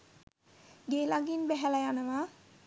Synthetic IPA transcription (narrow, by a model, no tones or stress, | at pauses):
ɡeːlaɡinbɛɦɛlajanəʋa